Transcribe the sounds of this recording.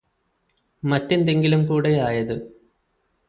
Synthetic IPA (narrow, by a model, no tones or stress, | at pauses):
mɐtːend̪eŋɡilumkuːɽejaːjɐðɨ